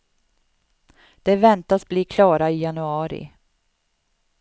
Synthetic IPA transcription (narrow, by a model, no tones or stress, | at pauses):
d̪̥ɛvɛnt̪asbliːkʰlɑːɾaɪjanɵɑːɾɪ̰